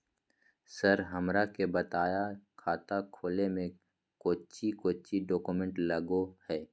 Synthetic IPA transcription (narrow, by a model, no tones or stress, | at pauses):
sɐɾɦɐmɾakebɐt̪aːjakʰaːt̪akʰoːlemẽ | koːt͡ʃikoːt͡ʃiɖɔːkumẽɳʈlɐɡohɛː